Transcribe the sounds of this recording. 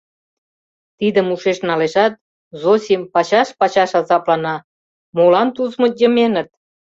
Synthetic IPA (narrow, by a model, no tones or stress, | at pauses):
t̪id̪əmuʃeʃnɑleʃɑt̪̚ | zosʲimpɑt͡ɕɑʃpɑt͡ɕɑʃɑzɑplɑnɑ | molɑnt̪uzmŏjə̆menət̪̚